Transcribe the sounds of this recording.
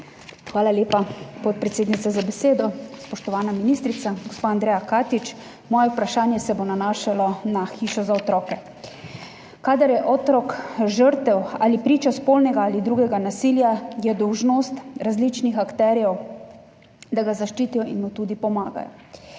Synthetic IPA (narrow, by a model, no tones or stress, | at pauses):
xʋaːlaljeːpapɔt̪̚pɾɛt̪seːd̪nit̪sazabɛseːd̪ɔspɔʃt̪ɔʋaːnaminist̪ɾit̪saɡospaand̪ɾɛːjakaːt̪it͡ʃ | mɔːjɛupɾaʃaːnjɛsɛbonanaːʃalɔnaxiːʃɔzaɔt̪ɾɔːkɛ | kaːd̪aɾjɛʔɔt̪ɾɔkʒəɾt̪ɛwa̰ːlipɾiːt͡ʃaspoːlnɛɡaalid̪ɾuɡɛɡanasiljajɛd̪ɔwʒnost̪ɾazliːt͡ʃnixakt̪ɛːɾjɛw | d̪aɡazaʃt͡ʃiːt̪ijɔʔinmot̪ud̪ipɔmaːɡa̰jɔ̰